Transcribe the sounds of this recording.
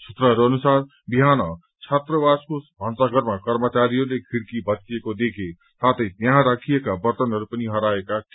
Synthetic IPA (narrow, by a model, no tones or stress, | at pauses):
sʰut̪ɾʌɦʌɾuʌnusaɾ | biɦanʌ | t͡sʰat̪rəbaskobʱãnsaɡʌɾmakʌɾmət͡ʃaɾijolekʰiɽkibʌkiekod̪ekʰe | sat̪ʌjnjaɦɾakʰijekabʌrt̪ʌnɦʌɾupʌniɦʌɾaekak